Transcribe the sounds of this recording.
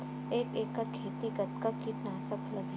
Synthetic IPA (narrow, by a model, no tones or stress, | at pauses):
eːkeːkːakʰeːt̪ikɐt̪kakit̪naːsɐpʰlɐɡ